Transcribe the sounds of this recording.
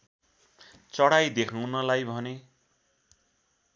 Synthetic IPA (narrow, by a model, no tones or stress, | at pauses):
t͡sʌɽajd̪ekʰaw̃nʌlajbʱʌne